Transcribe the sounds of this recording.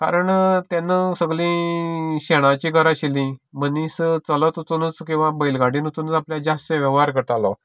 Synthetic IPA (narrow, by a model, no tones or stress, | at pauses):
ka̰ɾəɳt̪janəsəɡlĩːɕeɽ̃ãt͡ɕiːɡʱəɾaɕilĩmənist͡sələt̪ut͡s̪unət͡skĩw̃ʋãbəjlɡaɽinut͡s̪unət͡sapljad͡ʑast̪eʋjəʋɦaɾkəɾt̪alɔ